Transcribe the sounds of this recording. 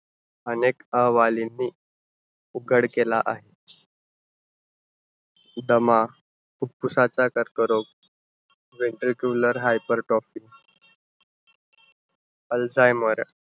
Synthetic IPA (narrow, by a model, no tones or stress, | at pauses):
ənekəɦʋalinːiː | uɡəɽkelaʔaɦe | d̪əma | puk̚pusat͡sakəɾkəɾok̚ | ʋeɳʈɾikjuləɾɦajpəɾʈɾɔfiː | əld͡zajməɾ